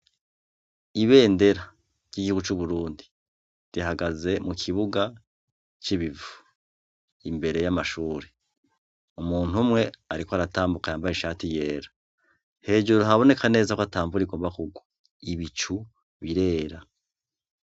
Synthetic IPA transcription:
iβe̞ːnde̞ɾa | ɾɟ̥iɡihuɡut͡ʃuβuɾuːndi̥ | diɦaɡaze̞mukʰiβuɡa | t͡ʃiβivu̥ | imbe̞ɾe̞jamaʃuːɾe | umuːn̥umŋe̞aɾikwoaɾataːmbukajaːmbajeʃaːtije̞ːɾḁ | he̞ːd͡ʒuɾɾoɦaβo̞ne̞kane̞ːzakwataːmvuɾiɡo̞ːmbakuɡwo | iβit͡ʃu | βiɾe̞ːɾa

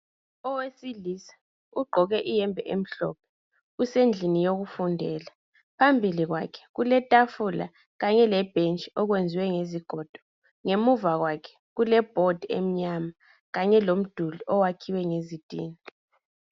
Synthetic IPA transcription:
ɔwesilisḁ | uɡ͡ǃʱɔɣɛʔijɛmbʱɛʔem̩ɬɔ̰p̚ʰɛ̥ | usend͡ɮʱinijoɣufundʱɛːla | pʰambʱiliɣwa̰kʰɛ̥ɣulɛtʼafula̰ | ɣaɲɛlɛb̥ʱent͡ʃʼiɔɣwend͡zʱiwɛŋeziɡ̥ʱɔd̥ʱɔ̥ | ŋemuvaɣwakʰɛ̥ɣulɛb̥ʱɔd̥ʱḛm̩ɲama | ɣaɲɛlom̩d̥ʱuliʔɔwakʰiwɛŋezitʼḭːni

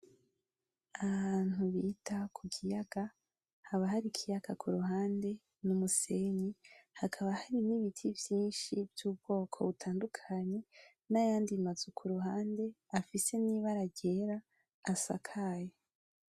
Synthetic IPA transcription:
aβaːn̥uβiːtʰakʰuɡijaɡ̥a | haβaɦaɾikʰijaɡ̥akʰuɾuɦaːnde̞ | numuseɲihakʰaβahaɾiniβitʰivjiːnʃivjuːb̚ɡ̥o̞ːkʰo̞βutʰaːndukʰaɲe̞ | najaːndimazukʰuɾuɦaːnde̞ | afise̞niβaɾaɟe̞ɾaː | sa̰kʰaːjo

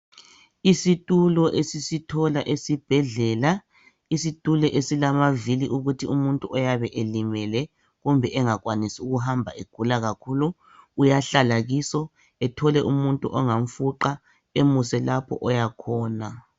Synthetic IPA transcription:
isitʼulɔʔesisitʰɔlaʔesib̥ʱɛɮɛla | isitʼulɛʔesilamaviliʔuɣutʰiumuntʼuʔɔjaβɛʔelimɛlɛ | ɣumbʱɛʔɛŋak̬wanisiuɣuɦambʱa̰ʔeɡ̥ʱulaɣakʰuːlu | ujaɬalaɣisɔ | ɛtʰɔlɛʔumuntʼuʔɔŋaɱ̩fuǃa | emusɛlapʰɔ̰ʔɔjakʰɔːna

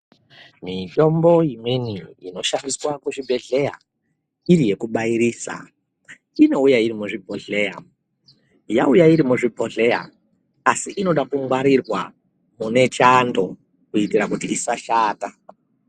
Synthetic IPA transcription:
mito̞mbo̞imeniḭno̞ʃandiswakuʐibʱe̞ɮe̞ja̰ | irije̞kuɓaiɾiːsa̰ | ino̞ujaiɾimuʐibʱo̞ɮe̞ja | jaujaiɾimuʐibʱo̞ɮe̞ja̰ː | siʔino̞ɗakuŋwaɾirwa | mune̞t͡ʃando̞ | kuitirakutiisaʃaːta

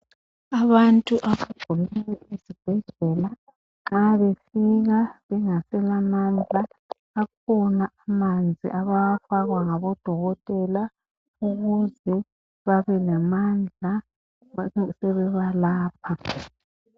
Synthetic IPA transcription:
aβantʼuʔaβaɡ̥ʱumiwɛʔizib̥ʱɛɮɛla | ŋ͡ǁaβefiɣaβɛŋasɛlamand͡ɮʱaː | kʰɔnaʔamand͡zʱḭʔaβafaɣwaŋaβɔd̥ʱɔɣɔtʼɛla | uɣuzɛ | βaβɛlɛmand͡ɮʱa | sɛβɛβalaːp̚ʰa

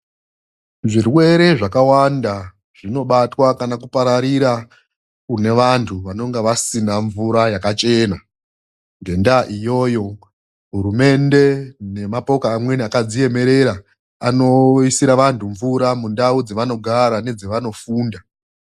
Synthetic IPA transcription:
ʐirwe̞ɾe̞ʐakawanda | ʐ̥ino̞ɓatwakanakupaɾaɾiɾa | kune̞ʋantʰuʋano̞ŋɡeʋasinaɱvuɾajakat͡ʃe̞na | ŋɡe̞ndaʔijo̞ːjo̞ | ɦuɾume̞nde̞ne̞mapo̞kaːmwe̞niakad͡zije̞me̞ɾe̞ɾa | ano̞isiɾaʋantʰuɱvuɾamundaud͡zeʋano̞ɡʱaɾane̞d͡zeʋano̞fuːnda

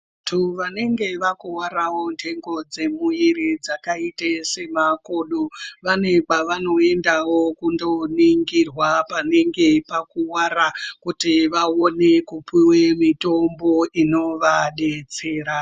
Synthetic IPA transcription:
tʰuʋane̞ŋɡe̞ʋakuwaɾawo̞ndʰe̞ŋɡo̞d͡ze̞muiɾid͡zakaitese̞makoɗoʋane̞paʋano̞e̞ndawo̞kundo̞niŋɡirwapane̞ŋɡe̞pakuwaɾakutiʋaone̞kupiwemito̞mbo̞ino̞ʋaɗet͡seːɾa

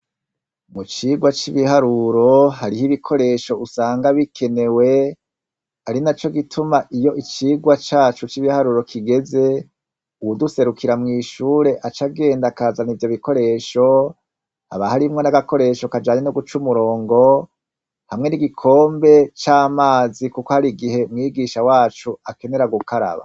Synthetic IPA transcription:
mut͡ʃiːɡwat͡ʃiβiɦaɾuɾo̞haɾihiβikʰo̞ɾe̞ʃo̞ʔusaːŋɡaβikʰe̞ne̞we̞ | aɾinat͡ʃo̞ɡitʰumaʔijo̞ʔit͡ʃiːɡwat͡ʃaːt͡ʃut͡ʃiβihaɾuɾo̞kʰiɡe̞ze̞ | uwuduse̞ɾukiɾamŋiːʃuːɾe̞ʔat͡ʃaɡe̞ːndakaːzanivjo̞βiko̞ɾe̞ʃo̞ | a̰βahaɾimŋo̞naɡako̞ɾe̞ʃokad͡ʒaːɲenoɡut͡ʃumuɾo̞ːŋɡo̞ | hamŋeniɡikʰo̞ːmbe̞t͡ʃaːmaːzikuko̞haɾiɡihe̞mŋiːɡiːʃawaːt͡ʃuake̞ne̞ɾaɡukʰaɾa̰βa̰

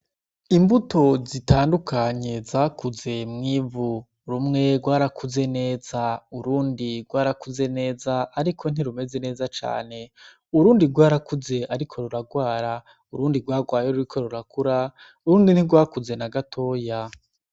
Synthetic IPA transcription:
imbuto̞zitʰaːndukʰaɲe̞zaːkuze̞mŋiːvu | ɾumŋe̞ɡwaːɾakʰuze̞ne̞ːzauɾuːndiɡwaːɾakuze̞ne̞ːzaːɾikʰo̞n̥iɾume̞ze̞ne̞ːzat͡ʃa̰ːne̞ | uɾuːndiɡwaːɾakuze̞ʔaɾikʰo̞ɾuɾaɡwaːɾa | uɾuːndiɡwaːɡwaːjeɾuɾikʰo̞ɾuɾakuɾa | uɾuːndin̥iɡwaːkuze̞naɡatʰo̞ːja

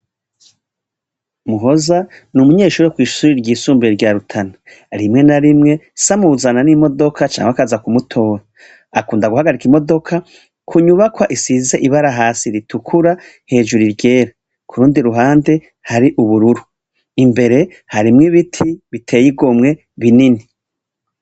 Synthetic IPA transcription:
muɦo̞za | numuɲe̞ːʃuːɾekwiːʃuɾiɾɟiːsuːmbiɾeɾɟaːɾutʰana | ɾimŋe̞naɾimŋe̞samuzananimo̞do̞kʰat͡ʃa̰ːŋɡakazakumutʰo̞ːɾa | akuːndaɡuhaɡaɾikimo̞do̞kʰa | kʰuɲuβakwaʔisize̞ʔiβaɾaɦaːsiɾitʰukʰuɾa | he̞ːʒuɾiɾɟe̞ːɾa | kʰuɾuːndiɾuɦaːnde̞ | haɾiʔuβuɾuɾu | imbe̞ɾe̞ | haɾimŋiβitʰiβitʰe̞ːjiɡo̞mŋe̞ | βinini

